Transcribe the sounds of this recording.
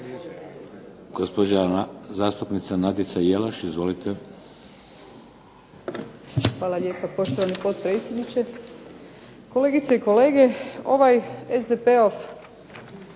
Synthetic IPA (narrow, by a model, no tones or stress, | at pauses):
ɡ̥ospod͡ʑazaːst̪upnit̪sanad̪it̪sajelaʃizʋo̞lit̪ʰe | xʋaːlˠaʎʲe̞ːpapo̞ʃt̪o̞ʋanipo̞t̪pɾe̞ːt̪sʲjed̪nit͡ʃe̞ | ko̞leːɡit̪seiko̞le̞ːɡe̞o̞̰ʋajezd̪epeof